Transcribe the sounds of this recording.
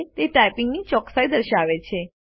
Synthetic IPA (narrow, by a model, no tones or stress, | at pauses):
t̪eʈajpɪŋɡnit͡ʃɔksajd̪əɾʃaʋet͡ʃʰe